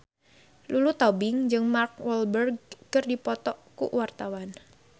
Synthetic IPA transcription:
lulut̪ɔbɪŋd͡ʒɨŋmark̚wɔlbərɡ̚kɨrdipɔt̪ɔʔkṵwart̪awan

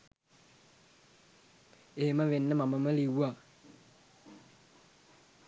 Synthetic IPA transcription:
eːməʋenːəmaməməliwa

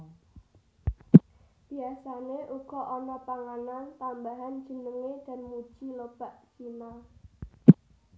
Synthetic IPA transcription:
b̥iasaneʔuɡ̥ɔ̤ʔonɔpaŋanant̪ambaɦand̥d͡ʒ̥ənəŋed̥a̤nmud̥ʒ̥ilob̥a̤ʔd͡ʒ̥ima

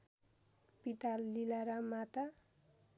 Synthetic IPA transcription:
pit̪alːilaɾamat̪a

